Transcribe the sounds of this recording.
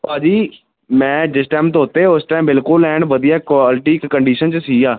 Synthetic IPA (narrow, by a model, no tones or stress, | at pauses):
paːd͡ʒiː | mɛ̃ːd͡ʒɪsʈaːɪmt̪oɦoːt̪eɦːʊsʈaːmbɪlkʊlɛːɳɖʋəd̪ijaːkaːlɪʈiːkːəɳɖiːʃənt͡ʃsiːaː